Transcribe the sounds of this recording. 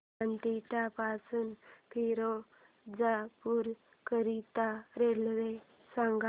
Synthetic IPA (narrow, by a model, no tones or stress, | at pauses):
ant̪it̪apasuːnkiɾo | d͡zapuɾ | kəɾit̪aɾelʋe | sãŋɡa